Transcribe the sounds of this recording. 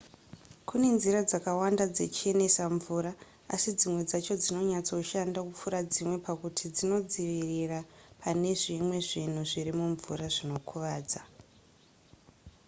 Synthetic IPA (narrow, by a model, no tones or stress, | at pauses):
kʰune̞nziɾad͡zakawandad͡ze̞t͡ʃie̞ne̞saɱvuːɾa | a̰sid͡zimwe̞d͡zat͡ʃo̞d͡zino̞ɲat͡so̞ʃandakup͡fuɾad͡zimwe̞pakutʰid͡zino̞d͡ziʋirirapʰane̞ʐimwe̞ʐin̤uʐiɾimuɱvṵɾaʐino̞kʰuʋaːd͡za